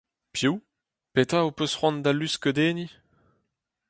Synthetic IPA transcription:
pju | pet̪aopøsχwɑ̃nd̪alyskəd̪eːni

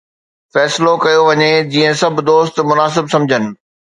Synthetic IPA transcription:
fɛːslokɐjoʋɐɲed͡ʑiːə̃sɐbʱɪ̆d̪oːst̪mʊnaːsɪbsɐ̃md͡ʑʱənɪ̆

